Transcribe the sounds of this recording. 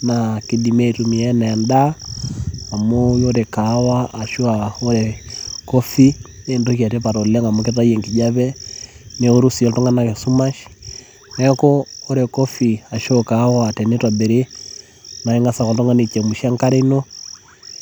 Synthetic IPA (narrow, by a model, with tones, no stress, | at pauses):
naki˨di˨mɛ˨tu˨mi˨ɛna˨ja˨nda˦ | a˨mojɔ˦ɾɛ˨ka˨˦waː˦˨ʃu˦a˨ɔ˦ɾɛkɔ˦fi˦ | ne˨ndɔka˨tɛ˦pa˨ɾɔ˨lɛ˦ŋa˨moke˦ta˦i˦ɛŋki˨ɟa˦βɛ˦nɛ˦u˦ɾu˦si˨ɔ˨tɔ˦ŋɡa˦na˨ke˨su˦ma˦ʃi̥ | nɛkɔː˦ɾɛ˨kɔ˦fi˨a˨ʃɔka˨˦watɛ˨ne˦twa˨bɛ˨ɾe˦ | na˨ɛ˦ŋɡa˦sa˨kɔ˨tɔ˦ŋɡa˦ni˨t͡ʃɛ˨mu˨ʃa˦ŋka˦ɾe˦nɔ˦